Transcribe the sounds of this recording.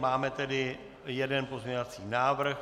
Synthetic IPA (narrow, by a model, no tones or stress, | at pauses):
maːmɛt̪ɛdɪ | jɛdɛnpo̞zmɲɛɲovat͡siːnaːvr̩x